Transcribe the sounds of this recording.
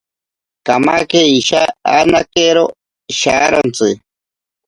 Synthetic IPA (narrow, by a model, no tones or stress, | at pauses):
kamakeiʃaanakeɾo | ʃaɾont͡sɨ